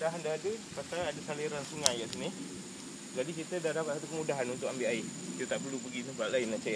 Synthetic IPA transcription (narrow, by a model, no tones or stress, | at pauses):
daɦndaɦadəpasaladasaliɾansuŋajaʔsinɪh | d͡ʒadikit̪ədahdapat̪̚sat̪ukəmudaɦanunt̪ʊkambiʔaɪiət̪aʔpərɾlupəɡinubaaʔlaɪnat͡ʃaa